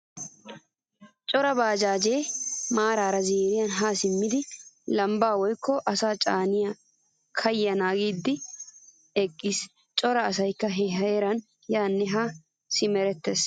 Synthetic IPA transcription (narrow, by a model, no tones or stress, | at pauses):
t͡ʃʼɔɾɐbaːd͡ʒaːd͡ʒeːmaːɾaːɾɐzeːɾɪjɐnɦaːsɪmːɪd̪ɪlɐmbaːwɔjkːɔʔɐsaːt͡ʃʼaːnɪja | kʰɐjɪjɐnaːɡiːd̪ːɪ | ɛkʼːiːs | t͡ʃʼɔɾɐːs̬ɐjkːɐɦɛɦɐɛɾɐn | jaːnːɛɦɐ | sɪmɛɾɛt̪ːes